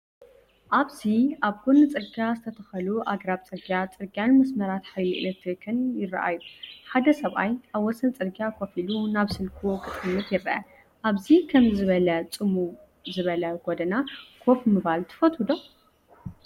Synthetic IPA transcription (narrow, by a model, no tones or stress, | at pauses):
ʔaβziʔaβhunɨt͡sʼɨɾɡazɨt̪ʰɐt̪ʰɐxɐluʔaɡɾaβt͡sʼɨɾɡijat͡sʼɨɾɡjanmɐsmɐɾat̪ħajlɨ̰ʔlɐt̪ʰɾikʰɨnjɪrːɐ̰ʔa̰juħad̪ɐsɐβʔa̰jʔaβwɔsɐnt͡sʼɨɾɡjakʰo̞filunaβsɨlkʰukʼɨt͡s̪ʼɨmːɨt̪jɪɾːɐʔɐ | ʔaβzikʰɐmzɨβɐlɐt͡sʼɨmu | zɨβɐlɐɡod̪ɐnakʰo̞fmɨβalt̪ʰɨ̥fɐt̪ʰud̪o